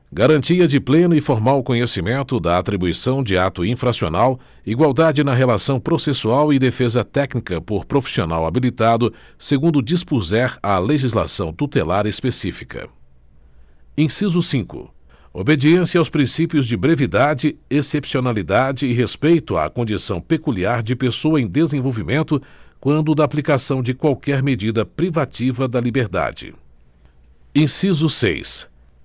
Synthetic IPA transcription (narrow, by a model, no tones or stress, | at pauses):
ɡaɾɐ̃nt͡ʃiɐd͡ʒɪplẽnʊɪfoɾmawʊkõɲesimẽnt̪ʊd̪ɐat̪ɾibuisɐ̃w̃d͡ʒɪat̪ʊĩfɾasio̰naw | iɡwawd̪ad͡ʒɪnɐɦelasɐ̃w̃pɾosesuawɪd̪efezɐt̪ɛknikɐpoɾpɾofi̥sionawabilit̪ad̪ʊseɡũnd̪ʊd͡ʒispuzɛɾɐleʒizla̰sɐ̃w̃t̪ut̪elaɾespesifi̥kɐ̰ | ẽsizʊsĩkʊ̰ | obed͡ʒiẽsɪawspɾĩsipiʊzd͡ʒɪbɾevid̪ad͡ʒɪesepsionalid̪ad͡ʒɪːɦespejt̪ʊa̰kõd͡ʒisɐ̃w̃pekuliaɾd͡ʒɪpesoɐẽj̃d̪ezẽvowvimẽnt̪ʊkwɐ̃nd̪ʊd̪ɐaplikasɐ̃w̃d͡ʒɪkwawkɛɾmed͡ʒid̪ɐpɾivat͡ʃivɐd̪ɐlibeɾd̪a̰d͡ʒɪ̰ | ẽsizʊsḛjs